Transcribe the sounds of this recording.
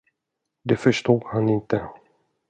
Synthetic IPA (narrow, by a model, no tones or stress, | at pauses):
d̪ɛfœʂt̪uːɡ̪hanɪnt̪ə